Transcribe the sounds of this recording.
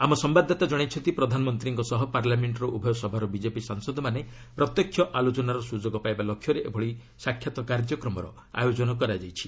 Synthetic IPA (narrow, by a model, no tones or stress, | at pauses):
amɔsɔmbad̪ʱːat̪ad͡ʒɔɽ̃ajt͡ʃʰɔnt̪ipɾɔd̪ʱanɔmɔnt̪ɾiŋkɔsɔɦɔpaɾlameɳʈɔɾɔʔubʱɔjɔsɔbʱaɾɔbid͡ʒepisaŋsɔd̪ʱɔmane | pɾɔt̪jɔkʰːjɔʔalot͡ʃɔnaɾɔsud͡ʒoɡɔpajbalokʰːjɔɾeʔḛbʱɔɭi | sakʰːjat̪ɔkaɾd͡ʒɔkɾɔmɔɾɔ̰ | a̰jod͡ʒɔnɔkɔɾad͡ʒajt͡ʃʰi̥